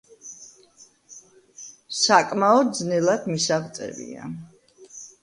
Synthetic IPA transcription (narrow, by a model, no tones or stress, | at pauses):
sakʼmaɔd̪̚d̪znɛlˠad̪misavt̪sʼɛ̰vḭa̰